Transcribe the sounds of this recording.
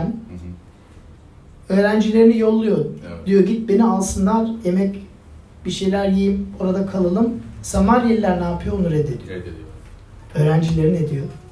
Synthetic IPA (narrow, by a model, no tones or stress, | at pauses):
n | ø̞ːɾænd͡ʒilʲe̞ɾinijolˠːujod̪̥ijo̞ɟit̪̚be̞nialˠsɯnd̪aɾemɛc | b̥iʃe̞jlʲæɾjijimoɾad̪akʰalˠɯlˠɯmsamaljelʲilʲæɾnaːpʰɯjonuɾed̪ɪ | øːɾænd͡ʒilʲe̞ɾine̞d̪ijo